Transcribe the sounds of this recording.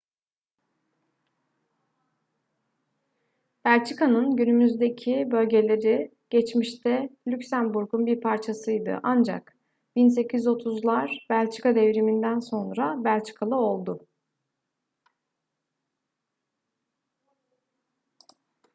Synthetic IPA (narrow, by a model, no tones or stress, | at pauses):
b̥ælʲt͡ʃʰikanɯnɟynymyzd̪e̞cʰibø̞lʲɟe̞lʲe̞ɾi | ɟ̥ɛt͡ʃmiʃt̪ʰɛlʲycsænbuɾɡunbiɾpʰaɾt͡ʃʰasɯjd̪ɯ̰ʔand͡ʒa̰k | b̥inse̞cʰizo̞t̪ʰuzlˠaɾbælʲt͡ʃʰi̥kad̪evɾimind̪ænso̞nɾabælʲt͡ʃʰi̥kʰalˠɯo̞lˠd̪ʊ